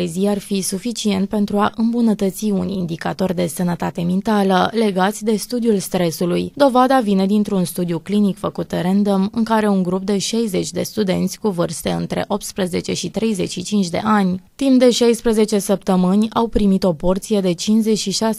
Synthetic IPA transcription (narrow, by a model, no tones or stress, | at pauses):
eziarfisufit͡ʃie̞nt̪̚pe̞nt̪ɾuaʔɨmbunət̪ət̪siunḭnd̪ikat̪o̞rd̪e̞sənət̪at̪e̞mint̪aləle̞ɡat̪sʲd̪e̞st̪ud̪ijulst̪ɾe̞sulujd̪o̞vad̪avine̞d̪int̪ɾunst̪ud̪ijuklinikfəkut̪ɾend̪əmɨŋkaɾe̞uŋɡɾup̚d̪e̞ʃejze̞t͡ʃʲd̪e̞st̪ud̪e̞nt̪sʲkuvɨrst̪e̞ɨnt̪ɾe̞̰ʔo̞p̚t̪spɾeze̞t͡ʃe̞ʃit̪ɾe̞jze̞t͡ʃʃit͡ʃint͡ʃʲd̪e̞̰ʔanʲt̪impd̪e̞ʃajspɾeze̞t͡ʃe̞səp̚t̪əmɨnʲawpɾimit̪o̞po̞rt̪sije̞d̪e̞t͡ʃinze̞t͡ʃʃiʃa